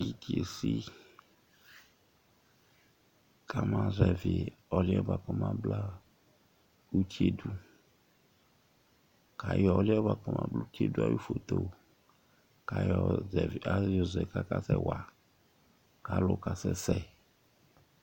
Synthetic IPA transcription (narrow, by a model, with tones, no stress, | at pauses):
ji˦ti˨e˨si˦ | ka˦mã˦zɛ˨vɪ˨ɔ˨lɪ˦ɔ˦ba˨kɔ˦mã˦bla˦ | u˦ti˦e˦du˦ | ka˨jɔ˨˦lɔ˦ba˨kɔ˦mã̰˦blu˦ti˦e˦du˦a̰˦ju˦fo˨t̪o˨ | ka˨jɔ˨zɛ˨va˦ɔ˨zɛ˨ka˦ka˦sɛ˦wa˨ | ka˨˦lʊ˦ka˨sɛ˦sɛ˦